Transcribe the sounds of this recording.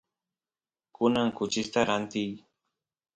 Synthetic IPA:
kʊnaŋkʊt͡ʃɪst̪aɾant̪ɪj

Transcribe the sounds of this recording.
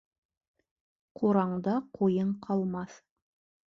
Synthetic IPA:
qʰuɾɑɴd̪ɑqʰujɤɴqʰɑlˠmɑθ

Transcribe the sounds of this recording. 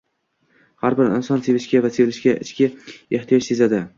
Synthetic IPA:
haɾbɪɾɪ̰nsɒnsevɪʃkʲavasevlɪʃkʲaʔɪ̰t͡ʃkʲɪeht̪ʰijɒʃse̞zad̪ɪ

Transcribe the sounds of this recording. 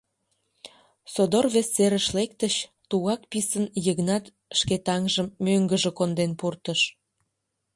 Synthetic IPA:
sod̪orβesːeɾəʃlekt̪əɕt̪uɣɑkpisənjəɣnɑt̪ | ʃket̪ɑŋʒəmːøŋɡəʒĕkond̪enpurt̪əʃ

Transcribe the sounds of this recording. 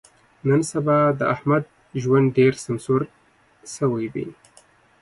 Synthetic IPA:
nənsabɑd̪əahmad̪̚ | ʒwand̪ɖeɾsamsuɾ | səwajbḭ

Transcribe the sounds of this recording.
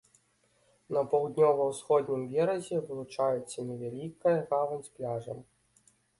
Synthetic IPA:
nɐpɐwd̪ʲnʲɔvɐwsxɔd̪ʲnʲimvʲɛɾɐzʲɛvɨlˠut͡ʂajɛt̪sːɐnʲɛvʲalʲikɐjɐɣavɐnʲsʲplʲaʐɐ̰m

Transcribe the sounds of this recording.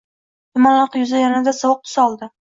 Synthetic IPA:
t̪ʊmanlɑqjʊzajanad̪asɒwʊq̚t̪ʰʊ̥saɒlˠd̪ɪ

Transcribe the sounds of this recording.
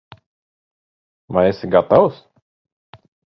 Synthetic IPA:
maesɪɡat̪aws

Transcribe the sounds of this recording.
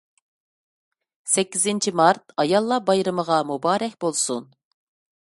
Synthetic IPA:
sɛkʲːizɪnt͡ʃʰimɑɾt̪̚ɑjɑlˠːɑbɑjɾɨməʁɑmubɑːɾɛkʲbolˠsun

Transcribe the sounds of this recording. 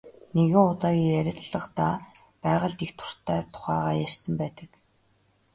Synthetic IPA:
neɣɪ̆ŋʊt̪aːɣʲiːjæɾʲɪ̆t̪ɮə̆qt̪a | pæːʁə̆ɮt̪ext̪ʰʊ̥r̥t̪ʰæːt̪ʰʊ̥χæːʁaːjær̥ʲsə̆mpæːt̪ə̆k

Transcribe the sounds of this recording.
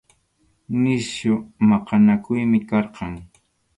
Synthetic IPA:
nɪsjʊmɑqɑnakʊjmɪkɑɾqɑŋ

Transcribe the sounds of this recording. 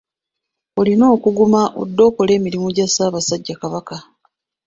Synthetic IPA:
o̞lino̞ːkuɡumaʔo̰dːo̞ːko̞le̞ːmiɾimuɟasaːβasaɟːakaβaka

